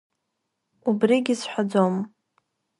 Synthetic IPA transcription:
ubriɡʲisħʷad͡zom

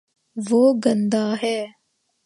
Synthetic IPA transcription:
ʋoːɡə̃nd̪aːɦɛː

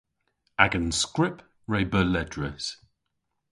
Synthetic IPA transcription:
aɡə̃nskɹɪp | ɹeɪbəlɛdɹəs

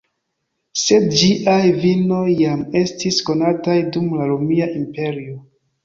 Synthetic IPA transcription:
se̞dd͡ʒiʔajvino̞jːame̞stisko̞natajdumlaɾomiaʔimpe̞ɾio

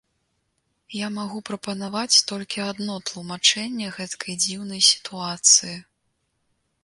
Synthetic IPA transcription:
jamaɣupɾɐpɐnavat͡sʲt̪ɔlʲkʲiad̪nɔt̪lˠumat͡ʂɛnʲːɛɣɛt̪kʰɐjd͡zʲiwnɐjsʲi̥t̪uat̪sɨji

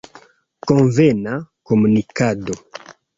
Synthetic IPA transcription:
kõɱvenakomunikado

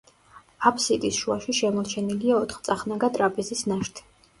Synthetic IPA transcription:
apʰsit̪ʼisʃuaʃiʃɛmɔɾt͡ʃʰɛniliaɔt̪ʰχt̪sʼaχnaɡat̪ʼɾapʼizisnaʃt̪ʰ

